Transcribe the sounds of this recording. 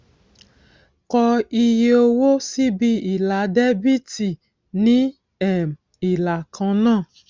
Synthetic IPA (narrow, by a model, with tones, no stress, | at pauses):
kɔ˧i˧je˧o˧wo˦si˦bi˧i˨la˨˦dɛ˦bi˦ti˨ | nĩ˦ | ɛ˨m | i˨la˨kʰã˧˦nãː˦˨